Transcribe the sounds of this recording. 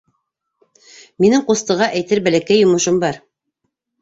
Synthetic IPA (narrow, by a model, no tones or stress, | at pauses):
minɘŋqust̪ɤ̆ʁɑʔæjt̪ɘɾbælækæjːŏmɤ̆ʃɤmbɑɾ